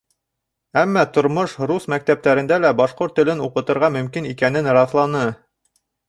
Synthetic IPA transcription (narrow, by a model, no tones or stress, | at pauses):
æmːɑt̪ŏɾmoʃɾusmæk̚t̪æp̚t̪æɾɘ̆nd̪ælæbɑʃqoɾt̪ːɘ̆lɘnuqɤ̆t̪ɤ̆ɾʁɑmɵ̆mkinikænɘnɾɑθlˠɑnɤ